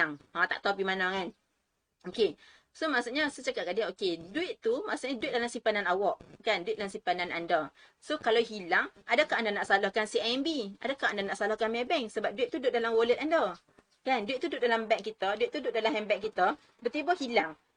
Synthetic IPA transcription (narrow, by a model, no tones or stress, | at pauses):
aŋãt̪a̰ʔt̪aapimanakan | oke | somaʔsuʔɲəsət͡ʃakat̚kadianokeduɪʔ̪t̪umaʔsuʔɲəduɪt̪̚dalamsimpananawɔʔkanduɪt̪̚dalamsimpananandə | sokalawɦilaŋadəkaʔandanaʔsalahkansiaɛnbiadəkaʔandanaʔsalahkanmɛbɛŋsəbap̚duɪt̪ʔ̚t̪udʊt̪̚dalamwolət̪̚andə | kanduit̪ʔ̚t̪ːuduʊɪʔ̪̚dalambɛŋkit̪əduiʔ̪t̪uduʔ̪̚dalamɦɛmbɛʔ̚kit̪ə | bət̪ibəhilaŋ